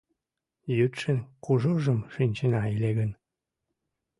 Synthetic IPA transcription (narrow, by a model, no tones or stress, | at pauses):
jyt̪ʃənkuʒuʒəmʃynʲt͡ɕənɑileɣən